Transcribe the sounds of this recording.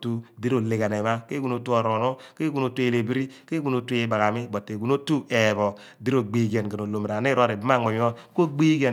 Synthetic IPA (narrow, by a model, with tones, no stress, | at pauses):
tu˦di˦ɾo˨le˨ɡa˨ne˨ma˦ke˦ɡu˦no˨˦tu˦o˨ɾo˨no˦ke˦ɡu˨no˨˦tu˦e˨le˨bi˦ɾi˦ke˦ɡu˨˦no˨˦tu˦e˦ba˨ɣa˨mi˦bo˨tːe˨ɡu˨no˦tu˦e˨bo˨ | di˦ɾo˨ɡ͡bi˦ɡe˨nke˨no˨lo˨m˨ɾa˨n˦e˦ɾo˦˨ɾe˨bi˦ma˦˨ŋ͡mo˨ɲ˦o˦ko˦ɡ͡bi˦ɡe˨